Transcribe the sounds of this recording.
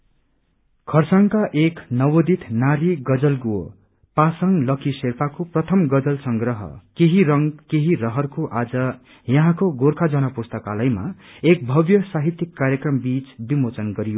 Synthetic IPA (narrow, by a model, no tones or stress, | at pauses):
kʰʌrsaŋkaʔeknʌwod̪it̪ʰnaɾiɡʌd͡zʌlɡo | pasʌŋlʌkiserpʰakoprʌt̪ʰʌmɡʌd͡zʌlsʌŋɡrʌɦʌ̰keɦiɾʌŋkeɦirʌɦʌrkoʔad͡zʌ | jʌɦãkoɡorkʰad͡zʌnʌpust̪ʌkalʌjma̰ek̚bʱʌbjʌsaɦit̪jikːaɾjʌkrʌmbit͡sbimot͡sʌnɡʌɾijo